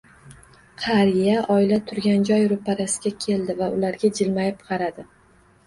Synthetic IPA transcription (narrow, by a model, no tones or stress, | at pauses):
qʰɑɾɪjaʔɒɪlat̪ʰʊɾɡʲand͡ʒɒjɾʊpaɾasɪɡʲakʲʰe̞ld̪ɪvaʊlaɾɡʲad͡ʒɪlmajɪpqʰɑɾad̪ɪ